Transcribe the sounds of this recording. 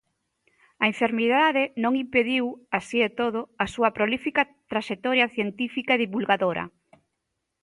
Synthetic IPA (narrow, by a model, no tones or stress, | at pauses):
ɐeɱfeɾmiðaðenõŋimpeðiwasiet̪oðʊasuɐpɾolifika | t̪ɾaʃet̪ɔɾjaθjent̪ifikaeðiβulɣaðoɾɐ̰